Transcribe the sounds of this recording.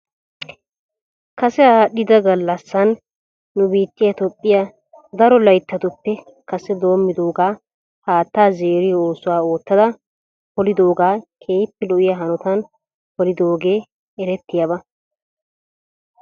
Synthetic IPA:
kɐsɛaːɗɪd̪ɐɡɐlːɐsːɐnː | ʊbiːt̪ːɪjɐt̪ɔpʼːɪjɐ | d̪ɐɾɔlɐjt̪ːɐt̪ʊpːɛ | kɐsɛd̪o̞ːmːɪd̪o̞ːɡaː | haːt̪ːaːzeːɾɪjo̞ːsʊwaːo̞ːt̪ːɐd̪ɐ | pɔlɪd̪o̞ːɡaːkʰeːjpːɛlɔʔɪjɐɦɐnɔt̪ɐn | pɔlɪd̪o̞ːɡe̞ː | ɛɾɛt̪ːɪjɐbɐ

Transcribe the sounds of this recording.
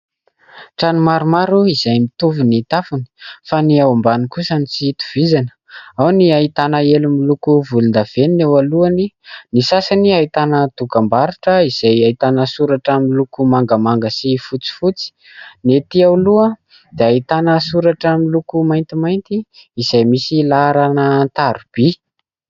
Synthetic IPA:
ʈ͡ʂanimaɾumaɾuiz̥ajmit̪uvunit̪afuni̥faniawambanikusanit͡sit̪u̥v̥izanə̥awniaɦit̪anaelumilukuvulund̪av̥eninewaluaninisasaniait̪anət̪ukambaɾuʈ͡ʂəiz̥ajait̪anəsuɾaʈ͡ʂəmilukumaŋɡəmaŋɡəsifut͡si̥fut͡si̥ | net̪iawluə | d̪̥eait̪anəsuɾaʈ͡ʂəmilukumajnt̪imajnt̪iːz̥ajmisilaɾanənt̪aɾub̥i

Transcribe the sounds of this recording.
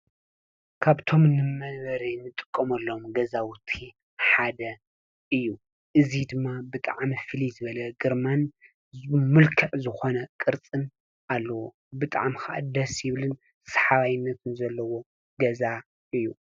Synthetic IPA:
kʰaβt̪ʰo̞mnɨmɐβɐɾinɨt̪ʼɨ̥kʼːɐmɐlːomɡɐzawʊt̪ʰːi | ħad̪ɐ | ʔɨjːu | ʔɨzid̪ɨmːabɨt̪ʼaʕmifɨlizɨβɐlɐɡɨɾman | mɨlkʰɐʕzɨxo̞nɐkʼɨɾt͡sʼɨn | ʔalːɐwo | bɨt̪ʼa̰ʕmxaʔa̰d̪ɐsjɪβlɨn | sħaβajɪnːɐt̪ʰɨnzɐlːɐwo | ɡɐza | ʔɨjːu

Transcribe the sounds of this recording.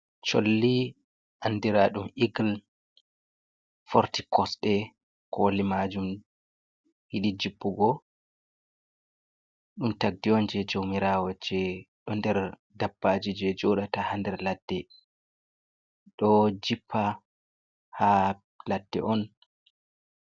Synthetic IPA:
t͡ʃo̰lːi | ʔanːdiɾaɗumʔiɡl | fɔɾtikʰɔsɗɛ | kolimad͡ʒum | hiɗid͡ʒibːuɡɔ | ɗumtaɡ̚diɔnd͡ʒɛd͡ʒowmiɾawɔd͡ʒɛɗɔndɛɾ | dabːad͡ʒid͡ʒɛd͡ʒɔɗatahandɛɾlad̥ːɛ | ɗɔd͡ʒipʰːa | ha | ladːɛ̰ʔɔn

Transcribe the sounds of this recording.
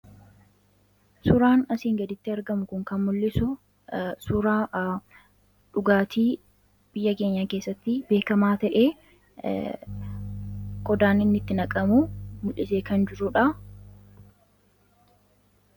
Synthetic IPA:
sʊɾaːnɐsiːŋɡɐd̪ɪt̪ːɪɐɾɡɐmʊkʊŋkɐnmʊlːɪsʊ | sʊɾaː | ᶑʊɡaːt̪ʰiː | b̥ɪjːɐke̞ːɲːake̞ːsːɐt̪ːɪbe̞ːkɐmaːt̪ɐʔeː | ɡ̥ɔd̪aːnɪnːɪt̪ːɪnɐkʼɐmumʊlʔɪseːkɐnd͡ʒɪɾʊᶑɐ

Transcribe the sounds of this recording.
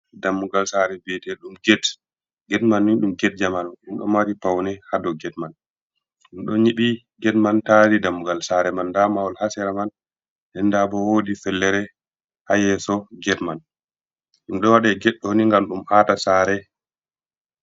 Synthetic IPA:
damːuɡalsaɾɛbɛtɛɗumɡɛt | ɡɛtmanːiɗumɡɛt̚d͡ʒamanɔɗumɗɔ̰maɾipawnɛhadɔɡɛtman | ɗumɗɔɲiɓi | ɡɛtmantaɾidamːuɡalsaɾɛmanːdamawalhasɛɾaman | ɗɛndabɔwodifɛlːɛɾɛ | hajɛsɔɡɛtman | ɗumɗɔwaɗɛɡɛɗːɔniŋɡamɗumʔatasaɾɛ

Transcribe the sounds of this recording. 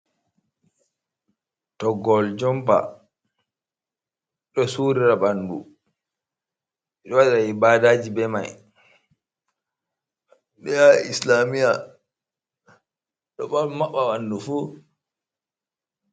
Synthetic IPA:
tɔɡɔld͡ʒɔmpa̰ | ɗɔsuɾiɾabandṵ | iɗɔwaɗaibaːdaːd͡ʒibɛma̰j | ɗɛjaislamija | ɗɔɓamaɓːawanːdufuː

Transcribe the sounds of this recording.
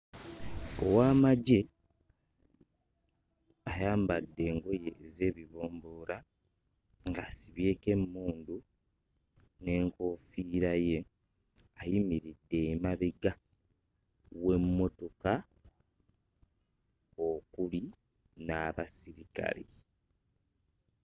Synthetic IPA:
o̰waːmaɟe̞ | ajaːmbadːe̞ːŋɡo̞je̞ze̞ːβiβo̞ːmbo̞ːɾa | ŋɡasiβje̞ːke̞mːuːndu | ne̞ːŋko̞fiːɾaje̞ | ajimiɾidːe̞maβiɡa | we̞mːo̞to̞ka | okuli | naβasiɾika̰li

